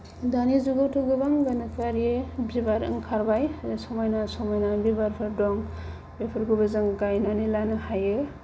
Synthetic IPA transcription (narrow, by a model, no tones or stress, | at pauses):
danizuɡawtʰɯɡɯbaŋɡanakaɾebibaɾɯ̰ŋkʰaɾbajsɔmɔjnasɔmɔjnabibaɾpʰɯɾdɔŋ | bepʰɯɾɡubɯzɯŋɡajnanilanɯhajɯ